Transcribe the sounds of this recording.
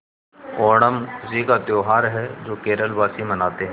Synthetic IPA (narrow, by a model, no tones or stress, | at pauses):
ɔːɳ̃əmziːkat̪joːɦaːɾɦɛd͡ʒoːkeːɾəlbaːsimənaːt̪eɦ